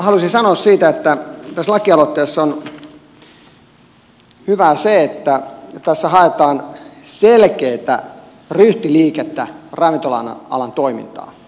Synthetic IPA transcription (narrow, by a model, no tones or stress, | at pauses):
hɑlusinsɑnoːssiːt̪æet̪ːæt̪æslɑkiɑlot̪ːeːsːon | hyʋæseet̪ːæt̪æsːæhɑet̪ɑːnselkeit̪æ̰ | ryht̪iliːket̪ːærɑʋint̪olɑ̰nɑ̰lɑnt̪oimḭnt̪ɑ̰ː